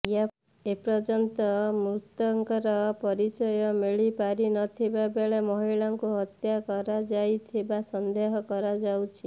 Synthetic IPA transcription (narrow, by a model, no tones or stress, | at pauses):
ja | epɾɔd͡ʒɔnt̪ɔmɾut̪ɔŋkɔɾɔpɔɾit͡ʃɔjɔmeɭipaɾinɔt̪ʰibabeɭemɔɦiɭaŋkuɦɔt̪jakɔɾad͡ʒajt̪ʰibasɔnd̪eɦɔkɔɾad͡ʒawt͡ʃʰi